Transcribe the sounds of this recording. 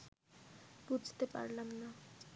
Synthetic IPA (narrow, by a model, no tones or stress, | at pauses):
bud͡zʱt̪epa̰rlamna